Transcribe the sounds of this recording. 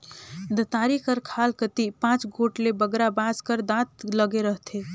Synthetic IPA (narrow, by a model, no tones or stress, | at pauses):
d̪ət̪aɾikəɾkʰalkət̪ipãt͡ʃɡoʈlebəɡɾabaskəɾd̪at̪ləɡeɾəɦt̪ʰe